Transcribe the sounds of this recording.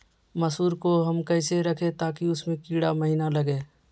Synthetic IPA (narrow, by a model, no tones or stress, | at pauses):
məsuːɾkoɦɐmkəːɪseɾɐkʰet̪aːkiʊsmẽkiːɽa̰məɦiːnalɐɡeː